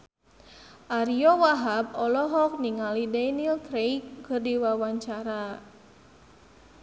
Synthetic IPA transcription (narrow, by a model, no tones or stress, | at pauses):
ʔaɾiɔwaɦab̚ɔlɔɦɔk̚niŋalidanilk̪ɾejkːərdiwawaɲt͡ʃaɾa